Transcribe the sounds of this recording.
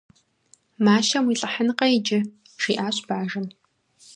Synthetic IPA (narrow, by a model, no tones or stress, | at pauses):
maːʃɐmwiːɬʼɐħənqʼɐid͡ʒɪ | ʂiːʔaːɕʼb̥aːʒɨn